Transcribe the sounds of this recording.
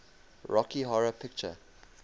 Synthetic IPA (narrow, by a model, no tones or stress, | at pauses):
ɹɔkiɦɔɹəpʰɪk̚t͡ʃə̰